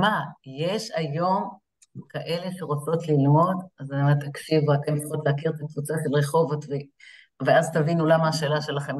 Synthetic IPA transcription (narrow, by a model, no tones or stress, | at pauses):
maje̞ʃajo̞m | kaʔe̞le̞ʃeʁot͡so̞t̪lilmo̞d̪azaamet̪akʃivuakent͡sḁχot̪leakiʁet̪akvut͡saʃelʁeχo̞vot̪ve | veazt̪avinulamaːʃe̞ːlaʃe̞laχem